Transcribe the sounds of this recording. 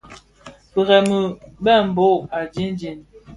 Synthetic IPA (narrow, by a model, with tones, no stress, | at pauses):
pə˨ɣɛ˨mə˨bɛ˦˨m̩˨bo˦a˨d͡ʒi˦n˦d͡ʒi˨n